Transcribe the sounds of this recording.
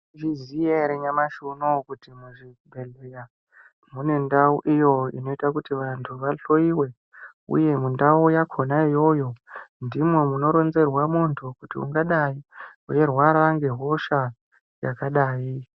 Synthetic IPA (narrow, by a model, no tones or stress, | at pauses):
ʐizijaɾeɲamaʃunokutimuʐibʱeɮeja | mune̞ndauʔijo̞ḭno̞itakutiʋantʰuʋaɬo̞iwe̞ | ṵje̞mundaujakʰo̞naijo̞jo̞ndimwe̞muno̞ɾo̞nze̞rwamontʰukutiṵŋɡaɗaiuje̞rwaɾŋɡe̞ɦo̞ʃa | jakaɗaːi